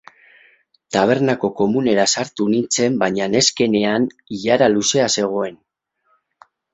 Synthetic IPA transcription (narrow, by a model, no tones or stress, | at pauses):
t̪aβ̞e̞ɾnako̞ko̞mune̞ɾasaɾt̪unint͡se̞mbaɲane̞ske̞ne̞aniʎaɾaluse̞ase̞ɣ̞o̞e̞n